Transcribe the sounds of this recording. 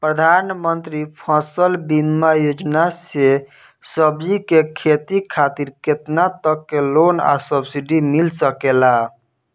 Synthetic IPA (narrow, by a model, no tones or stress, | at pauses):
pɾəd̪ʱanmənt̪ɾipʰasəlbinmajod͡ʒnase | səbd͡ʒikekʰet̪ikʰat̪iɾket̪nat̪əkːelona̰səbsiɖimilsəkela